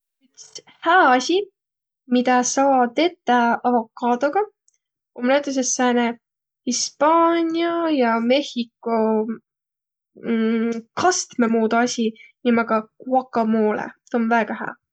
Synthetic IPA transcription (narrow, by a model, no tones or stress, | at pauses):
yks | hæːɑsʲi | mid̪̥ɑsɑːd̪e̞t̪ːˑɑɑvo̞kːɑːd̪̥oɡ̥ɑ | omnæt̪ːˑus̬esːæːne | hispɑːnʲijɑjɑme̞hikːo | kɑst̪memuːd̪ɑsʲinimɑɡ̥ɑkuɑkːɑmoːlḛt̪onvæːɡ̥ɑɦæ̰ː